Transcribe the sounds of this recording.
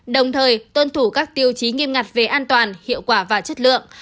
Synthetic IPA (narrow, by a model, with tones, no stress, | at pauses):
ɗə˨˩wŋ͡mt̪ʰəː˨˩jt̪wə˧nt̪ʰu˧˩kaː˦˥k̚t̪i˧əwt͡ɕi˨˦ŋi˧əmŋa˨˩t̚ve˨˩ʔaː˧nt̪waː˨˩nhḭ˧˨əwkwaː˧˩vaː˨˩t͡ɕə˦˥t̚lɨ̰˧˨əŋ